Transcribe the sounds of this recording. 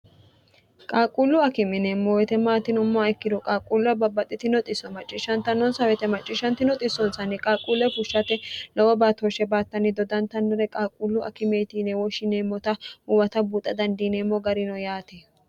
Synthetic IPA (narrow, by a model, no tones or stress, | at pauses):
kʼaːkʼulːʊɐkɪmɪneːmːɔwɛt̪ɛmaːt̪ɪnʊmːaɛkːɪd̪ɔkʼaːkʼulːʊɐbɐbːɐt̪ʼːɪt̪ɪnɔt̪ʼɪsɔmɐt͡ʃʼːɪʃɐnt̪ɐnːɔnsɐwɛt̪ɛmɐt͡ʃʼːɪʃɐnt̪ɪnɔt̪ʼɪsːɔnsɐnːɛkʼaːkʼːuːlːɛfʊʃːɐt̪ɛlɔwɔbaːt̪ɔʃɛbaːt̪ːɐnɪd̪ɔd̪ɐnt̪ɐnːɛɾɛkʼaːkʼːulːʊʔɐ̰kɪmeːt̪inɛwɔʃɪneːmːɔt̪ɐʊwɐt̪ɐbuːt̪ʼːɐd̪ɐnd̪iːneːmːɔɡɐɾɪnɔjaːt̪ɛ